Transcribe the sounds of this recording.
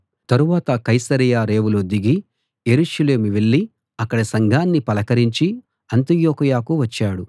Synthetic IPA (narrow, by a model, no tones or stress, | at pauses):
t̪ɐɾuʋaːt̪ɐkɐjsɐɾijaːɾe̞ːʋulod̪iɡi | je̞ɾuʃɐle̞ːmiʋeɭːi | ɐkːɐɽɐsɐŋɡʱaːnːipɐlɐkɐɾiɲt͡ʃi | ɐnt̪ijoːkɐjaːkuʋɐt͡ʃːaːɽu